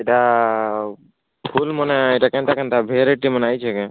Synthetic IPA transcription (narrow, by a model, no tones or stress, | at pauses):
iʈa | pʰulmɔneiʈakɛ̃nt̪akɛnt̪abʱeɾeʈimənajt͡ʃʰɛke